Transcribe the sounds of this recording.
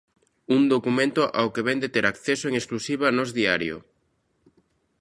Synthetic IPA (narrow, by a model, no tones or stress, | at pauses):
und̪okumẽnt̪ʊʔa̰wkeβɛnd̪et̪eɾʔakθesoeŋesklusiβ̞anozðiaɾjo̰